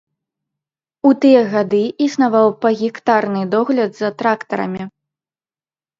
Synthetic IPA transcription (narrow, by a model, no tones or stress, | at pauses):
ut̪ɨjɐɣad̪ɨisnavawpɐɣʲikt̪arnɨd̪ɔɣlʲɐd̪zɐt̪ɾakt̪ɐɾɐ̰mʲi